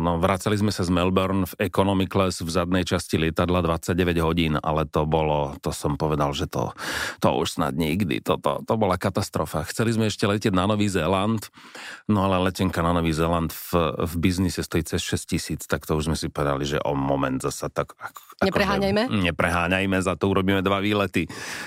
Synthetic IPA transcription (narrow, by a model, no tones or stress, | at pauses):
nɔʋɾat͡salizmɛsazmɛlbɔɾnfɛkɔnɔmiklɛsvzad̪nɛjt͡ʃascilɪɛt̪ad̪lad̪ʋat͡sːaɟ̚ɟɛʋɛɟɦɔɟiːna̰lɛt̪ɔbɔlɔt̪ɔsɔmpɔʋɛd̪alʒɛt̪ɔ̰t̪ɔ̰ʔṵʃsna̰d̪ɲiɡd̪ḭt̪ɔt̪ɔ̰t̪ɔbɔlakat̪ast̪ɾɔfaxt͡sɛlizmɛɛʃcɛlɛcɛɟ̪nanɔʋiːzɛːlant̪nɔalɛlɛcɛŋkananɔʋiːzɛːland̪fvbiznisɛst̪ɔjit͡sɛsʃɛscisiːt͡st̪akt̪ɔuʒzmɛsipɔʋɛd̪a̰liʒɛ̰ʔɔ̰mɔmɛnd̪zasat̪akakaɲɛkɔɾɛɦaːɲajmɛɲɛpɾɛɦaːɲajmɛzat̪ɔuɾɔbiːmɛd̪ʋaʋiːlɛt̪i